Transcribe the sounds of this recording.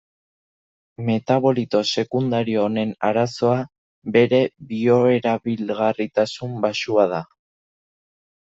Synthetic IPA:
me̞t̪aβo̞lit̪o̞se̞kund̪aɾione̞naɾaso̞a | be̞ɾe̞βio̞e̞ɾaβilɣarit̪asumbasuað̞a

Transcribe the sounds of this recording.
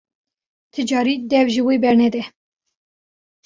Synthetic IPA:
t̪ʰɨd͡ʒɑːɾid̪ɛvʒiweːbɛɾnɛd̪ɛ

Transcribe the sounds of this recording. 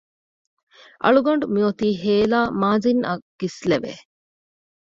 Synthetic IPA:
ʔɐ̰ɭuɡɐɳɖumiot̪iːɦeːlaːmaːzinɐɡ̥isleʋḛ

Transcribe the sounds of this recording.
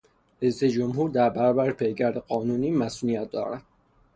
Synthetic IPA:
ɾejsed͡ʒomɦuːɾd̪æɾbæɾɒːbæɾepʰejɡæɾd̪eɢɒːnuːniːmæsʔuːnijæt̪̚ʰd̪ɒ̰ːɾæd̪̥

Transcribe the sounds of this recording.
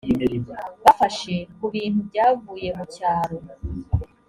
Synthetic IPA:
βafaʃe̞kuβiːn̥hubɟaːvuːje̞mucaːɾo

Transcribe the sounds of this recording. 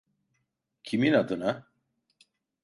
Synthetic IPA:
cʰiminad̪ɯna

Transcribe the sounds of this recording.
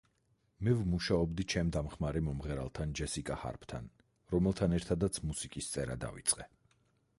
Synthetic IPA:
mɛvmuʃaɔbd̪it͡ʃʰɛmd̪amχmaɾɛmɔmʁɛɾa̰lˠt̪ʰand͡ʒɛsikʼaha̰ɾpʰt̪ʰa̰n | ɾɔmɛlˠt̪ʰanɛɾt̪ʰad̪at̪sʰmusikʼist̪sʼɛɾa̰d̪a̰vit̪sʼqʼɛ

